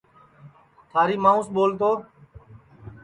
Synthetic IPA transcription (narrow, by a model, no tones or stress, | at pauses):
t̪ʰaːɾiːmãːũːsɓoːlt̪̬oː